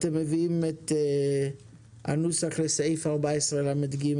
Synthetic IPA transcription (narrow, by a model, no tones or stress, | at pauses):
t̪emːeviimet̪ | a̰nusaχlesejfaʁbaesʁelamed̪ɡim